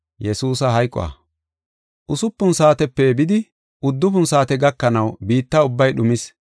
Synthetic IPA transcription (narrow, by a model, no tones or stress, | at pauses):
jɛsuːsɐɦɐjkʼːɔ̰ɐ̰ː | ʔʊsʊpːʊnsaːt̪ɛpːɛbɪd̪ɪ | ʊd̪ːʊpʊnsaːt̪ɛɡɐkːɐnɐwbiːt̪ːɐʊbːɐjɗʊmɪs